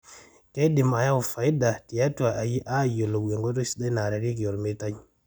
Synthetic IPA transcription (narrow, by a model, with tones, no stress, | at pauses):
ke˦di˨ma˨ja˦wu˨fa˨i˦da˨ti˨ja˦tu˨a˨ʔa˨ji˦ʔa˦˨jo˨lo˨e˨ŋɡo˦to˦si̥˦da˦na˨ɾa˨ɾi˦k̬i˨o˨ɾme˦ta˦ɲ